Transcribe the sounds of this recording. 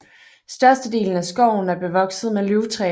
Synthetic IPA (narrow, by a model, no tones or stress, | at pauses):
sd̥ɶɐsd̥əd̥e̝̰ːln̩æsɡ̥ɒʊ̰n̩æɐb̥e̝ʋɒ̽ɡ̥sð̞̩ˠmelyʊt͡sʰʁɛ̰ː